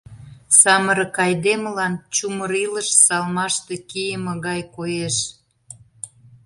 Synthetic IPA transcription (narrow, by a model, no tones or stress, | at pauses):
sɑməɾə̆kɑjd̪eməlɑnt͡ɕuməɾiləʃsɑlmɑʃt̪e̽kijəmə̆ɣɑjkojeʃ